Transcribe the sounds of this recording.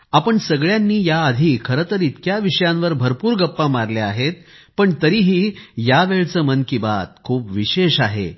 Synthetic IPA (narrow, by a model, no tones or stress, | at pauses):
apəɳsəɡɭjanːiːjaəd̪ʱiːkʰəɾət̪əɾit̪kjaʋiʂjãnʋəɾbʱəɾpuːɾɡəpːamaɾleaɦet̪̚ | pəɳt̪əɾiːɦiːjaʋeɭt͡səːmənkibat̪kʰuːpʋiɕeɕaɦḛ